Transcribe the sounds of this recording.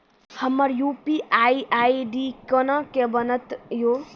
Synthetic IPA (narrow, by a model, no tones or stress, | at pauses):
həmːəɾjupiʔaiʔaiɖikənəkebənət̪jo